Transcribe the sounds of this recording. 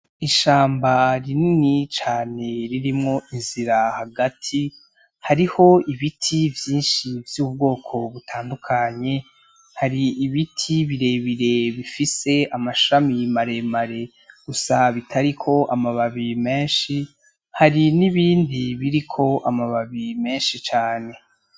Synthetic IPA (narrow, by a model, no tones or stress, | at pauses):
iʃaːmbaɾininit͡ʃaːne̞ɾiɾimŋo̞ʔinziɾahaɡatʰi | haɾiho̞iβitʰivjiːnʃivjuːbɡo̞ːkʰo̞βutʰaːndukʰaɲe̞ | haɾiːβitʰiβiɾe̞βiɾe̞βifise̞amaʃamimaɾe̞maɾe̞ | ɡ̥usaβitʰaɾikʰo̞ʔamaβaβime̞ːnʃi | haɾiniβiːndiβiɾikʰo̞ʔamaβaβime̞ːnʃit͡ʃaːne̞